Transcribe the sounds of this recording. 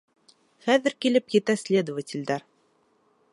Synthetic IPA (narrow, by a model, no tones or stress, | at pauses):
χæðɘ̆ɾkilɘpjɘ̆t̪æsʲlʲed̪əvətʲɪ̆lʲd̪æɾ